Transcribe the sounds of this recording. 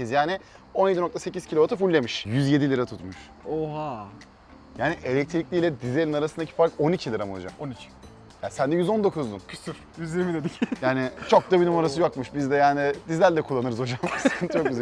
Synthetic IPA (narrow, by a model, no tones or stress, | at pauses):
izjaːnɪ | o̞njed̪inokt̪ʰase̞ciz̥cʰilʲoat̪ʰɯfulʲːemiʃjyzje̞d̪ilʲiɾat̪ʰut̪muʃ | oɦa | jaːniʔelʲɛc̚t̪ʰiɾiclʲijlʲɛd̪izʲelʲinaɾasɯnd̪acʰi̥faɾko̞nicʰilʲiɾamoad͡ʒa̰monicʰ | jaːnsænd̪ɛjyzo̞nd̪oakʰuzd̪ɯncʰy̥syɾ̥ | jyzjiɾmid̪ed̪icjaːnɪt͡ʃʰo̞k̚d̪abinumaɾas̬ɯjokmuʃbizd̪ɛjaːnɛd̪izlʲælʲd̪ʲɛkʰulˠːanɯɾɯzo̞d͡ʒamsnt͡ʃʰo̞k̚ɟyzɛ